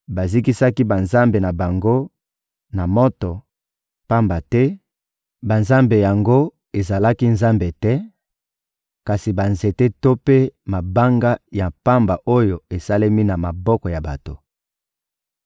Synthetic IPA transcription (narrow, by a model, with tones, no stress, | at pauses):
ba˨zi˦ki˦sa˦ki˦ba˨nza˦mbe˨na˨ba˨ŋɡo˦ | na˨mɔ˦tɔ˨ | pa˦mba˨tɛ˦ | ba˨nza˦mbe˨ja˨ŋɡo˦ | e˨za˨la˦ki˦nza˦mbe˨tɛ˦ | ka˨si˨ba˨nze˨te˦to˦pe˦ma˨ba˦ŋɡa˦ja˨pa˦mba˨ʔo˦jo˨e˨sa˦le˦mi˦na˨ma˨bɔ˦kɔ˨ja˨ba̰˨to˨